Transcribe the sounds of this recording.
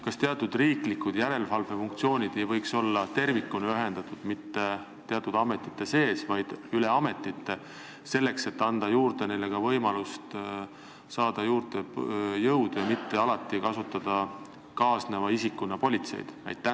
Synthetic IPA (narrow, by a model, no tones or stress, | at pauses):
kɑst̪e̞ɑt̪ːˑud̪̥riːklikːˑud̪̥jæɾe̞lvɑlvefuŋkt̪sio̞ːnʲid̪̥e̞jvɤjkso̞lːɑt̪e̞rvikːˑuneyɦe̞nd̪̥ɑt̪ˑud̪̥mit̪ːe̞ | t̪ːeɑt̪ːˑud̪̥ɑme̞t̪ːˑi̥t̪ːˑe̞se̞ːsvɑjd̪̥yle̞ɑme̞t̪ːˑit̪ːe̞ | se̞lːe̞kse̞t̪ːɑnd̪̥ɑjuːɾd̪̥e̞nejlːe̞ɡ̥ɑvɤ̞jmɑlust̪ | sɑːd̪̥ɑjuːɾd̪̥ejɤwd̪jɑmit̪ːe̞ɑlɑt̪ːˑikɑsut̪ːˑɑd̪̥ɑ | kɑːsnevɑisikːˑunːɑpo̞lʲit̪se̞̰jd̪̥ɑ̰jt̪ːˑæ